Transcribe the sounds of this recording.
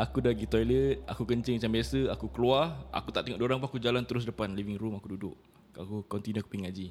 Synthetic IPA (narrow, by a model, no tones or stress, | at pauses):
ʔakudaɡit̪ɔjlət̪̚a̰kukəɲt͡ʃɪŋmat͡ʃambiasəakukəluara̰kut̪aʔt̪eŋɔʔdoɾaŋp̬uakud͡ʒalant̪əɾʊs̬dəpanlivɪŋɾumakududʊʔ | akukɔnt̪inuaku̥piŋad͡ʒi